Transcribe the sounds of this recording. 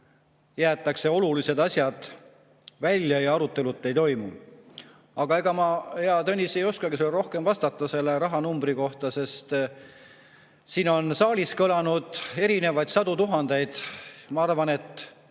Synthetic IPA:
jæːt̪ːˑɑkse̞o̞lulise̞d̪̥ɑsʲjɑd̪̥ | vælʲjɑjɑɑɾut̪ːˑe̞lut̪ːˑe̞jt̪o̞jmu | ɑɡ̥ɑe̞ɡ̥ɑmɑheɑt̪ɤnʲːise̞jo̞skɑɡiselro̞hke̞mvɑst̪ɑt̪ːˑɑse̞lːe̞ɾɑɦɑnumbriko̞ht̪ɑse̞st̪ | siːno̞nsɑːlʲiskɤlɑnud̪̥e̞ɾine̞vɑjd̪sɑd̪ut̪uɦɑnd̪̥e̞jd̪̥mɑɑrvɑne̞t̪ːˑ

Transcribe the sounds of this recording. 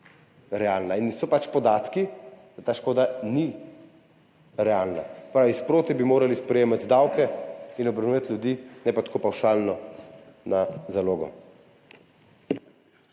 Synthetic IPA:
ɾɛaːlnainsɔpat͡ʃpɔd̪aːt̪kid̪̥at̪aːʃkoːd̪ani | ɾɛaːlna̰pɾaːʋispɾoːt̪ɛbimoːɾalispɾɛjeːmat̪d̪awkɛinɔbɾɐnuat̪lʲjud̪iːnɛpat̪ḁkoːpawʃaːlnɔnazaloːɡɔ̰

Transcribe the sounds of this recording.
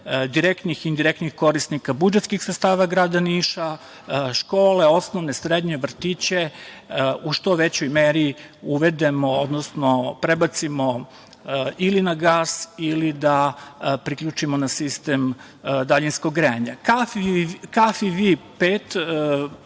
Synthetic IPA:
d̪iɾekt̪nixind̪iɾekt̪nixko̞ɾisnikabud͡ʒet̪skixsɾet̪st̪aːʋaɡɾaːd̪aniːʃa | ʃko̞ːle̞o̞snoʋne̞sɾed̪ɲe̞ʋr̩t̪it͡ɕe | uʃt̪o̞ʋe̞t͡ɕojmeːɾiuʋe̞d̪e̞mo̞od̪nosno̞pɾebat̪simo̞ | ilinaɡaːsilid̪apɾikʎut͡ʃimonasist̪em | d̪aʎinskoɡɡɾeaɲakafikafiʋipeːt̪

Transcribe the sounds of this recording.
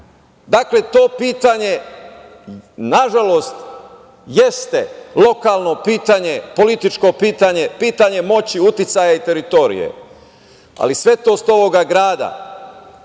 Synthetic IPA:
d̪akle̞t̪o̞ːpiːt̪aɲe̞ | naʒalo̞st̪ | jest̪elˠo̞kalˠno̞piːt̪aɲe̞po̞lit̪it͡ʃko̞piːt̪aɲe̞piːt̪aɲe̞mo̞t͡ɕiut̪it̪sajait̪e̞ɾit̪o̞ɾḭjḛ | a̰lisʋe̞t̪o̞ːst̪o̞ʋo̞ɡaɡɾaːd̪a̰

